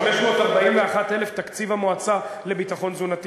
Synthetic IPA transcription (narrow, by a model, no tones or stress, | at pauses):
meʃmo̞t̪aʁbaimveaχat̪ele̞ft̪akt͡sivamoat͡sale̞bit̪aχo̞nzunat̪